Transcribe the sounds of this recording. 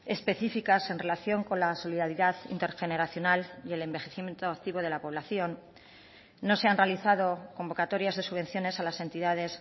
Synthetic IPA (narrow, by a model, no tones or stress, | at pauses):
e̞spe̞θifikase̞nre̞laθjo̞ŋko̞nlaso̞liðaɾiðaðḭnt̪e̞ɾxe̞ne̞ɾaθjo̞naljele̞mbe̞xeθimjent̪oak̚t̪iβo̞ð̞e̞lapo̞β̞laθjo̞nː | o̞se̞anrealiθað̞o̞ko̞mbo̞kat̪o̞ɾjazðe̞suβe̞nθjo̞ne̞salase̞nt̪iðað̞e̞s